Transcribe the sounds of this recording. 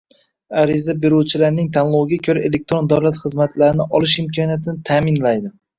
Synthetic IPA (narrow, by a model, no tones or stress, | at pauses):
aɾɪzabeɾuwt͡ʃʰɪlaɾnɪŋt̪ʰanlˠɒwɡʲakʲʰɵɾae̞le̞k̚t̪ɾo̞nd̪awlat̪χɨzmat̪ʰlaɾɪnɪʔɒlɪʃɪmkʲʰɒnjat̪ʰɪnɪt̪ʰaːmɪnlajd̪ɪ